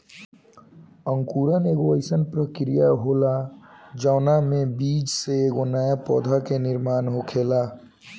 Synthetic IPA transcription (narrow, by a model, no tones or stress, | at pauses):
əŋkuɾəneɡoəɪsənpɾəkɾijaɦolad͡ʒaːnamebid͡ʒseːɡonajapɔ̰d̪ʱakeniɾmaːnɦokʰela